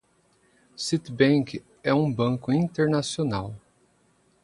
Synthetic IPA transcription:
sit̪bẽk | ɛũbɐ̃kʊĩnt̪eɾnasionaw

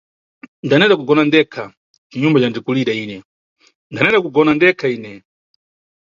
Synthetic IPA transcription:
ndanɛndakuɡɔnandɛkʰa | t͡ʃiɲumbat͡ʃandikuliɗaiːnɛ | ndanɛndakuɡɔnandɛkʰaiːnɛ

